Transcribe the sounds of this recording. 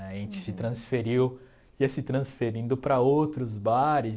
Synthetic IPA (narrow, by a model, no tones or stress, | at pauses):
ɛɐʒẽnt͡ʃɪ̥sɪt̪ɾɐ̃sfeɾiw | iɛsɪt̪ɾɐ̃sfeɾĩnd̪ʊpɾɐowt̪ɾʊzbaɾɪ